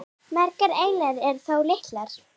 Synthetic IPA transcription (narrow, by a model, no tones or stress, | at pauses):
mɛɾkaɾeːjlɛðɛɾ̥θawlɪht̪laɾ̥